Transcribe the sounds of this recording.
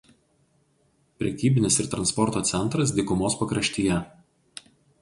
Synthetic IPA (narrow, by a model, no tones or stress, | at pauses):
pʲɾʲɛkʲiːbʲɪnʲɪsɪɾt̪ɾɐnspɔɾt̪oːt̪sʲɛnˑt̪ɾɐs̬d̪ʲiːkʊmoːspɐkɾɐʃʲt̪ʲiːjɛ